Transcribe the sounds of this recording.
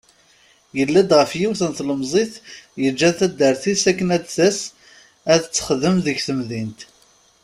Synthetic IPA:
jəlːæd̪ʁəfjiwθənθləmzˤiθjəd͡ʒːæθæd̪ːəɾθisækːənæd̪θæs | æðət͡sːə̥χðəmðəʝθəmðint̪

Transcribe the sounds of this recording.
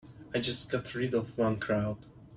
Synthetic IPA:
aɪd͡ʒʌst̚ɡ̥ɑtʰɹɪdɔvwʌ̃nkʰɹ̥aʊd̥

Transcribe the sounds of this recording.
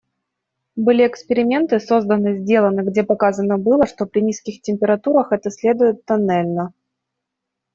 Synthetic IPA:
bɨlʲɪɛkspʲɪɾʲɪmʲe̞nt̪ɨso̞zd̪ənɨzʲdʲe̞lˠənɨɡdʲe̞pɐkazənəbɨlˠəʂt̪o̞pɾʲɪnʲiskʲɪxtʲɪmʲpʲɪɾɐt̪uɾəxɛt̪əsʲlʲe̞d̪ʊjɪt̪ːɐnɛlʲnə

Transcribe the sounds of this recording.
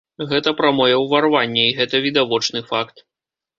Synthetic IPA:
ɣɛt̪ɐpɾamɔjɛwvarvanʲːɛiɣɛt̪ɐvʲid̪avɔt͡ʂnɨfakt̪

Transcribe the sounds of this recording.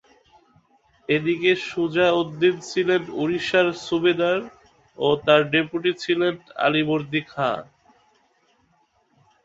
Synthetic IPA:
ed̪ikeʃud͡ʑaod̪ːint͡ɕʰilenuɾiʃaɾʃubed̪aɾ | ot̪aɾɖepuʈit͡ɕʰilena̰liboɾd̪ikʰa̰

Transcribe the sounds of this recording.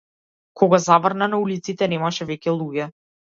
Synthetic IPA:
kʰɔɡazavr̩nanaulit̪sit̪ɛnɛmaʃɛvɛcʲɛlˠuɡɛ

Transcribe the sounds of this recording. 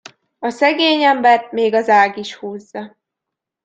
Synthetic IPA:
ɒsɛɡeːɲɛmbɛrt̪meːɡɒzaːɡiʃhuːzːɒ

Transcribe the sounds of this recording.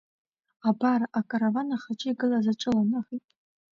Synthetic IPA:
abaraʔakʼaɾavanaχat͡ʃʼɪiɡɨlazaʈ͡ʂʼɨlanaʁitʼ

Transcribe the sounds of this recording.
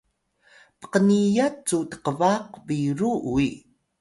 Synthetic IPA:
pə̥qənijat͡sutə̥qəvaqbiɾui

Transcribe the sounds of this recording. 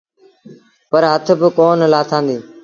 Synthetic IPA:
pəɾɦət̪ʰbɪkoːnlaːt̪ʰãːnd̪iː

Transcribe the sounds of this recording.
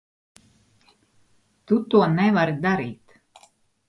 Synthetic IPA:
t̪ut̪uɔnɛvaɾd̪aɾiːt̪

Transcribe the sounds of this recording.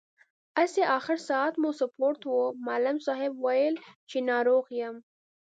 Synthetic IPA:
aseʔɑxɪɾsɑat̪musapoɾt̪womalamsɑɦɪbwajəlt͡ʃenɑɾoɣjəm

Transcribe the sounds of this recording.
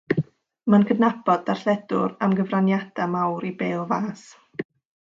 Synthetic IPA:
mənkʰədnabɔd̚arɬɛdʊ̰ɾamɡəvranjad̥amawɾibeːlˠvaːs

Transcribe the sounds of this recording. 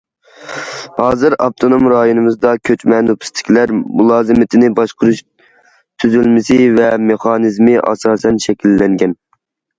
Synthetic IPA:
hɑːzɨɾɑp̚t̪ʰonomɾɑːjonɨmɨzd̪ɑkʲʰøt͡ʃmɛnupʰɪ̥st̪ʰɪ̥kʲʰlæɾmulˠɑːzɨmɪt̪ʰɪnɪbɑʃqʰɾuʃ | t̪ʰyzylmɪsɪvɛmeχɑːnɨzmɪʔɑ̰sɑːsɛnʃɛkʲʰilːɛŋɡʲɛn

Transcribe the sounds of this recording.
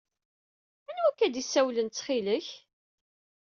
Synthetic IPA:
ænwækːæd̪isːæwlənt͡sːχiləç

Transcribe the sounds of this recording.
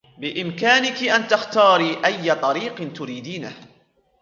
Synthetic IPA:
bɪʔɪmkaːnɪkɪʔant̪axt̪ɑːɾiːʔajːat̪ˤɑɾiːqnt̪ʊɾiːd̪iːnah

